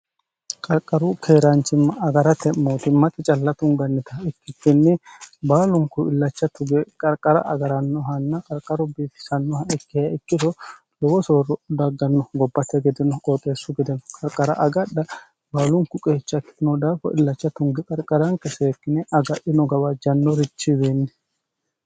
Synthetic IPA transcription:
kʼɐɾkʼːɐɾʊkʰeːɾɐnt͡ʃːɪmːɐɐɡɐɾɐt̪ɛmmːoːt̪ɪmːɐt̪ʼɪt͡ʃʼɐlːɐt̪ʊŋɡɐnːɛt̪ɐɛkːɪtːɪnːɪbaːlʊŋkʊɪlːɐt͡ʃːɐt̪ʊɡɛkʼɐɾkʼːɐɾɐ̰ɐɡɐɾɐnːɔɦɐnːɐkʼɐɾkʼːɐɾɔbiːt̪ɪ̥sɐnːɔhɐɪkːɪjɐɪkːɪt̪ɔ | lɔwɔsoːɾɔd̪ɐɡɐnːɔɡɔbːɐt̪ːɛɡɛd̪ɪnɔkʼoːt̪ʼe̞ːsʊɡɛd̪ɛnɔkʼɐɾkʼːɐɾɐ̰ʔɐɡɐɗɐ | baːlʊŋkʊkʼe̞ːt͡ʃːɐkɪ̥ɪnɔd̪aːfɔ̰ʔɪ̰lːɐt͡ʃːɐt̪ʊŋɡɛkʼɐɾkʼːɐɾɐŋkɛseːkːɪnɛʔɐɡɐʔɪnɔɡɐbɐd͡ʒɐnːɔɾɪt͡ʃːɪbeːnːɛ

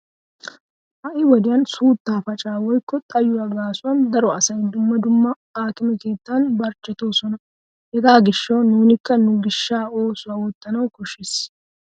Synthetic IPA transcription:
ʔɐʔɪwɔd̪ɪjɐnsuːt̪ːaːfɐt͡ʃʼaːwɔjkːɔt̪ʼɐjːʊwaɡaːsʊwɐnd̪ɐɾɔɐsɐjd̪ʊmːɐd̪ʊmːɐ | aːk̪ɪmɛke̞ːt̪ːanbɐɾt͡ʃːɛt̪o̞ːsɔnɐ | hɛɡaːɡɪʃːɐwnuːnɪkːɐnʊɡɪʃːaːo̞ːsʊwaːwɔt̪ːɐnɐwkɔʃːes

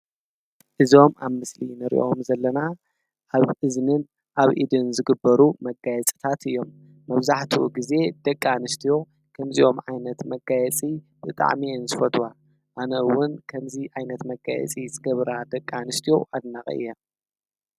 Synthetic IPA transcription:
ʔɨzo̞ma̰βmɨslinɨɾḭʔo̞mzɐlːɐna | ʔaβʔɨznɨn | ʔaβʔḭd̪ɨnzɨɡɨbːɐɾumɐɡajɛt͡sʼɨ̥t̪ʰat̪ɨjːo̞mː | ɐβzaħt̪ʰuṵɡize̞d̪ɐkʼːanɨst̪ʰijo̞ | kʰɐmziʔo̞mʕajnɐt̪mɐɡajɛt͡sʼi | b̥ɨt̪ʼa̰ʕmiɨnzɨfɐt̪ʰʼwa | ʔanɐwʊnkʰɐmziʕajnɐt̪mɐɡajɛ̰t͡sʼizʼɨɡɐβɾad̪ɐkʼːanɨst̪ʰijo̞ʔad̪naχʼɐ̰ʔɨ̰jːɐ

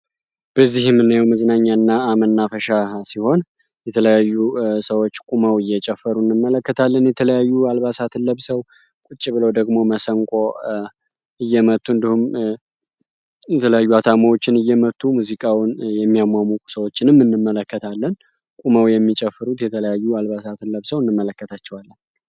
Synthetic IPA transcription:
b̥əzːihmːɨnːajawmɨzɨnaɲːanːaːmənːafəʃasiho̞n | jɛt̪ʰələjajːusəwo̞t͡ʃːkʼuməwɨjːɛt͡ʃʼɛfːəɾuɨnːɨmːələkːət̪ʰalːənjɛt̪ʰələjajːualβasat̪ʰɨnləβsəw | kʷʼut͡ʃʼːiβɨləwd̪əɡmo̞məsəŋkʼo̞ | ɨjːɛmət̪ʼːuɨnd̪ihum | jɛt̪ʰələjajːuat̪ʰamawo̞t͡ʃːɪnɨjːɛmət̪ʼːumuzikʼawnjɛmːijamʷamukʼu̥səwo̞t͡ʃːɪnɨmːɨnːɨmːələkːət̪ʰalːən | kʼuməwjɛmːit͡ʃʼɛfːɨɾut̪jɛt̪ʰələjajːualβasat̪ʰɨnləβsəwɨnːɨmːələkːət̪ʰat͡ʃːɛwalːən

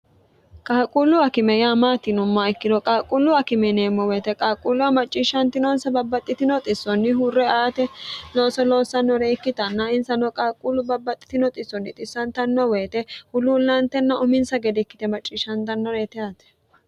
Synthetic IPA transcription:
kʼaːkʼulːʊɐkɪmɛjaːmaːt̪ɪnʊmːaɪkːɪd̪ɔkʼaːkʼulːʊɐkɪmɛneːmːɔweːt̪ɛkʼaːkʼulːʊɐmɐt͡ʃʼːiːʃɐnt̪ɪnɔnsɐbɐbːɐt̪ʼːɪt̪ɪnɔt̪ʼɪsɔnːɪɦʊrːɛaːt̪ɛlo̞ːsɔlo̞ːsːɐnːɔɾɛɪkːɪt̪ɐnːɐɪnsɐnɔkʼaːkʼulːʊbɐbːɐt̪ʼːɪ̥t̪ɪnɔt̪ʼɪsːɔnːɪt̪ʼɪsːɐnt̪ɐnːɔweːt̪ɛhʊluːlːɐnt̪ɛnːɐʔʊmɪnsɐɡɛd̪ɛkːɪ̥t̪ɛmɐt͡ʃʼːiːʃɐnt̪ɐnːɔɾɛt̪ɛat̪ɛ̥

